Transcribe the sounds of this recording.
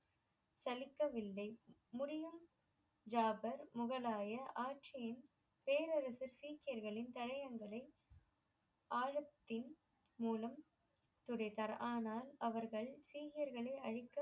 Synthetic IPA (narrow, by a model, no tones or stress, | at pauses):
sɐlɪkːɐʋɪlːɐɪmʊɾɪjɯm | d͡ʒaːbɐɾmʊɣɐlaːjɐʔaːʈ̚t͡ʃɪjɪn | peːɾɐɾɐsɯɾsiːkɪjɐɾɣɐɭɪnt̪ɐɻɐjɐŋɡɐɭɐɪ | ʔaːɻɐt̪ːɪn | muːlɐm | t̪ʊɽɐɪt̪ɐɾaːnaːlɐʋɐɾɣɐɭsiːkɪjɐɾɣɐɭɐɪʔɐɻɪkːɐ